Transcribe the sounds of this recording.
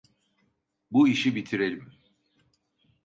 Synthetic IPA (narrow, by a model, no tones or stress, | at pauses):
buiʃibit̪ʰiɾe̞lʲim